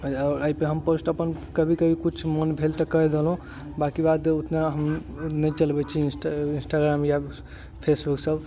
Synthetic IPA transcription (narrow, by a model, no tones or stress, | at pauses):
ɔɾəjpeɦəmposʈəpənkəbʱikəbʱikut͡ʃʰmənbʱelt̪əkəɦd̪elɦũ | bakibad̪ut̪naɦəm | nəjt͡ʃəlbɛt͡ʃʰinsʈinsʈaɡɾamja | pʰesbuksəb